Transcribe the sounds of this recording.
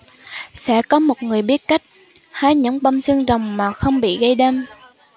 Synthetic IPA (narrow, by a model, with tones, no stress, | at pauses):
sɛ̰˧˥kɔ˨˦mo˨˩t̚ŋɨ˨˩əjɓi˦˥ət̚ka˦˥jk̟̚ | haː˧jɲɨ̰˧˥ŋɓa˧wŋ͡msɨ˧ŋzə˨˩wŋ͡mmaː˨˩xə˧wŋ͡mɓḭ˧˨ɣə˧jɗɛ˧m